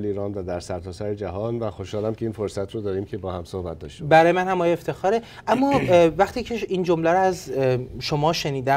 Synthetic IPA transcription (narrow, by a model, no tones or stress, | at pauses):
liːɾɒːnvæd̪æɾsæɾt̪ʰɒːsæɾed͡ʒæɦɒːnvæxoʃhɒːlæmkʰʲeiːnfoɾsæt̪ʰɾod̪ɒːɾiːmcʰebɒːhæmsohbæ̰t̪̚d̪ɒ̰ːʃt̪bæɾɒːjemænhæmɒːjeeft̪ʰe̞xɒːɾe | ʔæmːɒːvæχt̪iːcʰeiːnd͡ʒomlæɾoæzʃomɒːʃe̞niːd̪æ